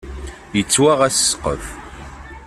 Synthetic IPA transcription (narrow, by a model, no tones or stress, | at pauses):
jət͡sːwaʁæsə̥sqːə̰f